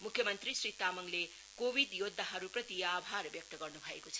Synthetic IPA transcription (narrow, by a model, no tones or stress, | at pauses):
mukʰjɐmɐnt̪ɾisɾit̪amɐŋle | kobʱidjot̪̚dɐɦɐɾupɾɐt̪iabʱaɾɐbjɐk̚tɐɡɐɾnubʱajbosʰ